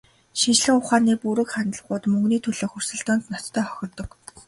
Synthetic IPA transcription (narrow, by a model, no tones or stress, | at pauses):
ʃint͡ɕɮɘ̆ŋʊχaːniːpuɾɘ̆kχanə̆ɮʁʊːt̪mɵŋɡniːt̪ʰɵɮoːxur̥sɵ̆ɮt̪ʊːnt̪nɔt̪ʰːœːχœ̥xʲɪ̆rt̪ɞ̆k